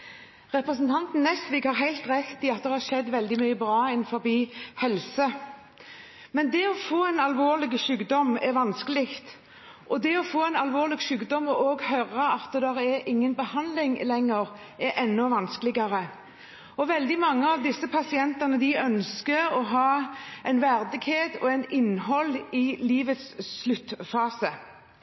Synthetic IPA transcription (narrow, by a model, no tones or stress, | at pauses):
ʁɛpɾəsn̩t̪ʰɑnt̪n̩ːɛst̪ʋɪɡhɑɾɦæɪlt̪ʁɛt̪ːɪɑt̪̚d̪ɛɾhɑːɾʂɛd̪ːʋɛld̪ɪmyːəbɾɑːɛnfɔɾbiːhɛlsə | mɛnd̪ɛɔfoːɛɪnɑlʋoːʁlɪɡʃʉːɡd̪ɔmɛɾʋɑnskəlɪkt̪ | ʔɔd̪ɛɔfoːɛɪnɑlʋoːʁlɪɡʃʉːɡd̪ɔmɔʔoːɡhœʁəɑt̪d̪ɛd̪ɛɾɛɾʔɪŋːənbəhɑnlɪŋlɛŋːəɾ | ɛʔɛnːɔʋɑnskəlɪɡɑɾə | ɔʋɛld̪ɪmɑŋːəɑʋd̪ɪsːəpʰɑsɪɛnt̪ɑnəd̪ɪœnskəɾɔɦɑːæɪnʋæʁd̪ɪɡheːt̪ɔ̰ɛɪnɪnːɦɔlɪliːʋət̪sslʉt̪ːfɑːsə